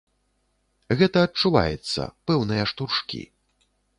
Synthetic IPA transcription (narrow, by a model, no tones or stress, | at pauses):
ɣɛt̪ɐːt͡ʂːuva̰jɛ̰t̪sːɐ̰pɛwnɨjɐʂt̪urʂkʲḭ